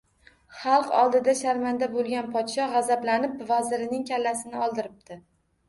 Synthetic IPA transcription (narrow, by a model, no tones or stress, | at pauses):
χɑlˠqɒ̰lˠd̪ɪd̪aʃaɾmand̪abolˠɡʲanpʰɒd̪ʃɒʁɑzablanɪpvazɪɾɪnɪŋkʲʰalːasɪnɪɒlˠd̪ɪɾɪp̚t̪ʰɪ